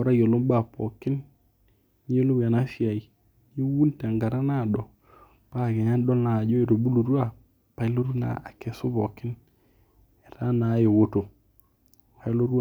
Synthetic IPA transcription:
ɔ˨ɾa˦jo˨lo˦mba˦˨pɔ˨kɪ˦n | ɲ˦e˦lo˦wa˨na˦fja˨i˨ | ɲi˦wu˦nta˨ŋɡa˨ɾa˦na˦˨dɔ˨ | pa˦˨kɛ˨ɲa˦ndɔ˦lna˨d͡ʒɔ˦e˨to˨bu˦lu˨ɾwa˦ | pa˨ɪ˦lo˦ɾu˦na̰˨a˨kɛ˨sʊ˦bɔ˨kɪ˦n | ɛ˨ta˦na˨˦jo˨wo˦to˨ | a˨˦lo˦ɾwa˨

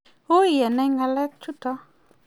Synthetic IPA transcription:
o˦˨jɛ˨nɛ˦ŋɡa˧lɛ˦k̚t͡ʃu˦tɔ˦

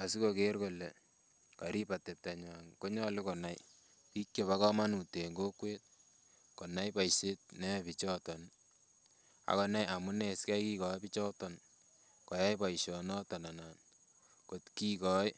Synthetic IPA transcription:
a˨si˦kokeɾko˨lɛ˨ | ka˨ɾi˦pa˨tɛ˨p̚ta˨ɲa˨ŋko˦ɲɔ˦lɪ˦ko˨na˦j | pi˦kje˨βa˦kɔ˦ma˦nu˨te˨ŋɡo˦kwe˦t̚ | ko˨na˦jpa˨jse˦t̚nɛ˦pit͡ʃɔ˦tɔ˨n | a̰˨kɔ˦na˦ja˨mu˦ne˨ska˦jki˦kɔ˨jpi˦t͡ʃɔ˦tɔ˨n | kɔ˨ja˦jpa˨jʃɔ˨nɔ˦ta˨na˨na˨n | ko˨tki˦kɔ˦j

